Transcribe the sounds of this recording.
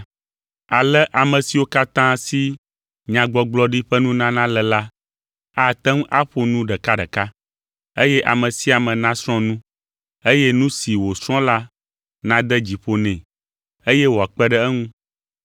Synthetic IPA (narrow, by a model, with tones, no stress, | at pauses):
a˨lɛ˦ʔa˨mɛ̃˨si˨wo˦ka˦t̪ã˦si˦ | ɲã˨ɡ͡bɔ˦ɡ͡blɔ˦ɖi˦ɸɛ˦nũ˦nã˦nã˦lɛ˨la˦ | a˦t̪ɛ˦ŋ˦ʔa˦ɸo˦nũ˦ɖɛ˨ka˦ɖɛ˨ka˦ | e˦jɛ˦ʔa̰˨mə̃˨si˦a˨mɛ̃˨nã˦sɾ̃ɔ̃˦nũ˦ | e˦jɛ˦nũ˦si˨wo˨sɾ̃ɔ̃˦la˦ | nã˦d̪ɛ˦d͡ʑi˨ɸo˦nɛ̃˨ | e˦jɛ˦wo˨a˨k͡pɛ˦ɖɛ˦ɛ˦ŋũ˦